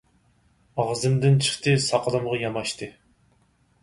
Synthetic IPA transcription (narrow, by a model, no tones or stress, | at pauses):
ɑʁzɨmd̪ɪnt͡ʃʰə̥χt̪ɨsɑqəlˠɨmʁɑjɑmɑʃt̪ʰɨ